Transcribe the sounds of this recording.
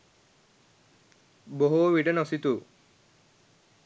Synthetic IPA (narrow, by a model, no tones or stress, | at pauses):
boɦuʋiʈənosit̪u